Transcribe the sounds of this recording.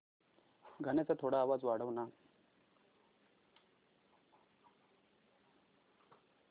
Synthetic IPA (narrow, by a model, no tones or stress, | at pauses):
ɡʱənet͡sat̪ʰoɽaːʋad͡zʋaɽ̤əʋna